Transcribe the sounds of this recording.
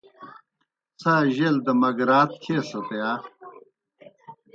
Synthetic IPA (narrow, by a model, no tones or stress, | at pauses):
t͡sʰaːʑeld̪ɐmɐɡɾaːt̪̚kʰeːsɐt̪ɐjaː